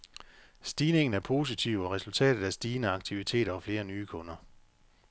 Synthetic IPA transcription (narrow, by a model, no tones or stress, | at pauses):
sd̥iːne̝ŋn̩æɐpʰo̝ːs̬it͡sʰiʊ̰ɒ̽ʁɛsult͡sʰɛ̰ːd̥ð̩ˠæsd̥iːnəɑ̈ɡ̥̚t͡sʰiʋit͡sʰe̝̰ːɾ̥ɐɒ̽fle̝ːɐnyːkʰɔ̽nɐ